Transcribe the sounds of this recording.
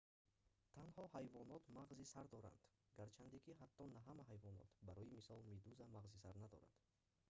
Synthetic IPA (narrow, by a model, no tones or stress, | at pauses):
t̪ʰanhɔhajvɔnɔt̪maʁzisaɾd̪ɔɾa̰nd̪̥ɡaɾt͡ʃʰand̪ikʰiɦat̪ʰːɔnaɦamaɦajvɔnɔ̰t̪baɾɔjimisɔlmid̪uzamaʁzisaɾnad̪ɔ̰ɾa̰d̪